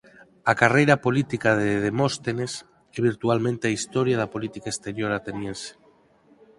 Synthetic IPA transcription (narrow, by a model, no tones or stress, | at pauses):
akarejɾapolit̪ikaðeðemost̪enes | eβ̞iɾt̪ualmẽnt̪eaist̪oɾjað̞apolit̪ikaest̪eɾjoɾat̪enjẽnse̥